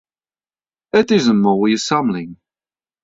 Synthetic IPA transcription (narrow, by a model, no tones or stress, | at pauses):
ətɪzəmɔːjəsʌmlɪ̃ŋ